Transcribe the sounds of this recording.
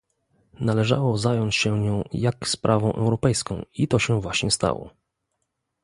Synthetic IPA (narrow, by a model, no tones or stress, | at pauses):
nalɛʐa̰wɔzajɔɲt͡ɕɕɛɲɔ̃w̃jakspɾʔavɔ̃w̃ʔɛ̰wɾɔpɛjskɔ̃w̃it̪ɔɕɛvwaɕɲɛst̪a̰wɔ̰